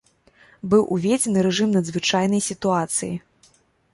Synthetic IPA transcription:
bɨwʔuvʲed͡zʲɛnɨɾɛʐɨmnɐd̪zvɨt͡ʂajn̪ɐjsʲit̪uat̪sɨjḭ

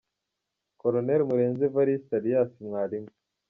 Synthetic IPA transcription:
koɾoneɾmuɾeːnzevaɾistaɾijaːsimŋaːɾimi

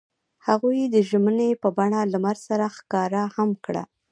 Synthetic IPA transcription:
haɣujd̪əʒmənepəbaɳalamaɾsaɾaxkɑɾahamkɽa̰

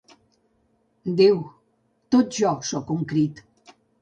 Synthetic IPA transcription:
d̪iw | t̪ot̪̚ʒɔsɔkuŋkɾit̪

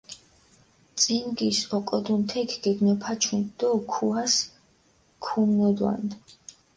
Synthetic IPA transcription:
t̪sʼinɡisɔqʼɔd̪unt̪ʰɛkʰɡ̥ɛɡnɔpʰat͡ʃʰund̪̥ɔkʰuas | kʰumnɔd̪wa̰nd̪

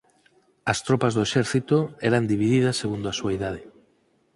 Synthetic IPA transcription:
ɐst̪ɾopazðoeʃɛɾθit̪oɛɾand̪iβ̞iðið̞asːeɣund̪oasuaeðað̞e

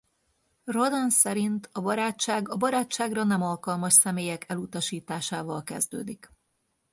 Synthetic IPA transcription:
ro̞d̪ɛnsɛɾint̪ɒbɒɾaːt͡ʃːaːɡɒbɒɾaːt͡ʃːaːɡrɒnɛmɒlkɒlmɒʃsɛmeːjɛkʰɛlut̪ɒʃiːt̪aːʃaːvɒlkɛ̰zd̪ø̰ːd̪ik

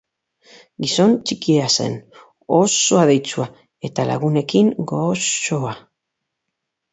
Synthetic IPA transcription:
ɡiso̞nt͡ʃikiease̞̰n | oso̞aðe̞jt͡sua | e̞t̪ala̰ɣ̞une̞kiŋɡo̞soa

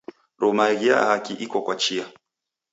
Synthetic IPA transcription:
ɾɔmaɣia̰hakiʔikɔkwat͡ʃia

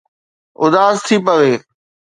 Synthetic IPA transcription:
ʊ̰d̪aːzt̪ʰipɐʋeː

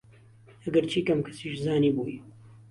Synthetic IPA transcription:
ɐɡɐɾt͡ʃʰiːkɐmkʰɐsiːʃzaːniːbuːj

